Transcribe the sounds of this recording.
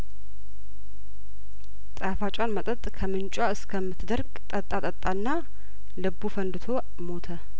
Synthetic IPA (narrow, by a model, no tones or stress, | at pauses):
t̪ʼafat͡ʃʼanmət̪ʼət̪ʼkʰəmɨnt͡ʃʼaɨskʰəmːɨt̪d̪əɾɡt̪ʼət̪ʼːat̪ʼət̪ʼːanːa | lɨbufənd̪ɨt̪ʰo̞ | mo̞t̪ʰə